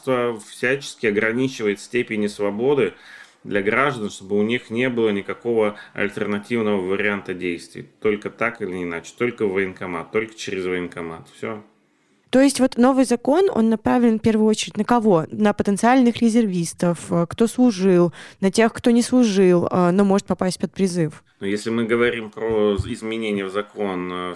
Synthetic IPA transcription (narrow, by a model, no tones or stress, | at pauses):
t̪vəfsʲæt͡ɕɪ̥skʲɪɐɡɾɐnʲit͡ɕɪvəjɪt̪sʲtʲepʲɪnʲɪsvɐbo̞d̪ɨ | d̪lʲɐɡɾaʐd̪ənʂt̪obɨʊnʲixnʲe̞bɨlˠənʲɪkɐko̞vəɐ̰lʲt̪ʲɪrnɐtʲivnəvəvəɾʲɪant̪ədʲejst̪vʲɪ̰jt̪o̞lʲkət̪akɨlʲɪɪːnat͡ɕɪ̥t̪o̞lʲkəvəɪnkɐma̰t̪ːo̞lʲkə̥t͡ɕɪɾʲɪzvəɪnkɐma̰t̪fsʲo | t̪o̞ɪsʲtʲvo̞t̪no̞vɨjzɐko̞no̞̰nːɐpɾavʲlʲɪnfpʲe̞rvʊjʊo̞t͡ɕɪɾʲɪtʲnəkɐvo̞nəpət̪ənt̪sɨalʲnɨxɾʲɪzʲɪrvʲist̪əfəkt̪o̞slˠʊʐɨlˠnətʲe̞xkt̪o̞nʲɪslˠʊʐɨlˠənomo̞ʐɨt̪pɐpasʲt̚ʲpət̪̚pɾʲɪzɨf | nujesʲlʲɪmɨɡəvɐɾʲimpɾoɪzmʲɪnʲenʲɪjəvzɐko̞n